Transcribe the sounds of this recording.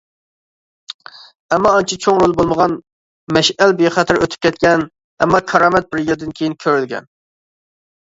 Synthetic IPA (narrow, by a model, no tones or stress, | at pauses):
ɛmːɑːnt͡ʃʰit͡ʃʰoŋɾolˠbolˠməʁɑn | mɛʃɛlbeχæt̪ʰɪɾøt̪ʰy̥p̚kʲɛt̪kʲɛn | ɛ̰mːɑkʰɑɾɑːmɛt̪̚bɪɾjeld̪ɪnkʲʰejinkʲʰøɾylɡʲɛ̰n